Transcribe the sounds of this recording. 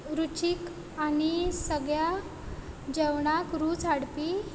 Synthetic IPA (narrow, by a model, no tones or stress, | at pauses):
ɾut͡ɕik | añisəɡɭja | d͡ʑɛwɳakɾuːt͡saɽpi